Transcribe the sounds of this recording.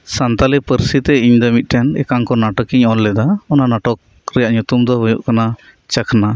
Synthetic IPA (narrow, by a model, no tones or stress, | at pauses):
sant̪alɛpəɾsit̪ɛiɲd̪ɔmit̪̚ˀʈɛnɛ̰kaŋkɔnaʈɔkiɲɔllɛd̪aɔnanaʈɔk̚ | ɾɛjaʔɲut̪umd̪ɔɦujṵʔkana | t͡ʃəkʰna